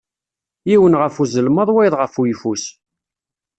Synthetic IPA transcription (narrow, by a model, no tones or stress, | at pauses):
jiwənʁəfuzəlməðˤwæjðˤʁəfujfus